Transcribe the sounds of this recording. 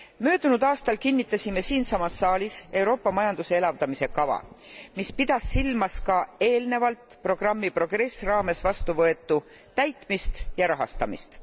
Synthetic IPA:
mø̞ːd̪̥unud̪̥ɑːst̪ɑlkinʲːit̪ːˑɑsʲime̞siːnsɑmɑsːɑːlʲise̞wɾo̞ːpːˑɑmɑjɑnd̪use̞elɑvd̪̥ɑmise̞kɑvɑ̰mispid̪̥ɑsːilmɑskɑe̞ːlne̞vɑlt̪ˑpro̞ɡ̥rɑmːipro̞ɡ̥re̞srɑːme̞svɑst̪uvɤe̞t̪ːˑu | t̪æjt̪ˑmist̪jɑɾɑɦɑ̰st̪ɑmḭst̪

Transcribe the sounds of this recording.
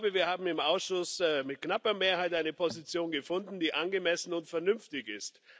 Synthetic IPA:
bəviːɐhaːbm̩ɪmʔaʊsʃʊsmɪt̚knapɐmeːɐhaɪtʔaɪnəpʰozit͡sjoːnɡəfʊndn̩d̥iːʔanɡəmɛsn̩ʊntfɛɐnʏmftɪçɪst

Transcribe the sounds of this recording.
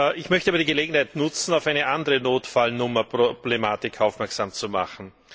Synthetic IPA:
ɪçmœçtəaːbɐdiːɡəleːɡŋ̩haɪtnʊt͡sn̩aʊfæɪnəʔandəʁənoːtfalnʊmɐpʁob̥lemaːtɪkʰaʊfmɛɐksaːmt͡suma̰χn̩

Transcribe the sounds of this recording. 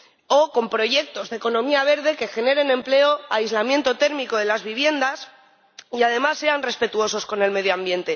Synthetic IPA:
o̞ko̞mpɾo̞ʝe̞k̚t̪ozðeko̞nõ̞miaβ̞e̞ɾðe̞ke̞xe̞ne̞ɾe̞nẽ̞mple̞o̞aizlamje̞nt̪o̞t̪e̞ɾmiko̞ðe̞lazβiβ̞je̞nd̪as | iað̞e̞masːe̞anre̞spe̞t̪uo̞so̞sko̞ne̞lme̞ð̞joambje̞nt̪e̞

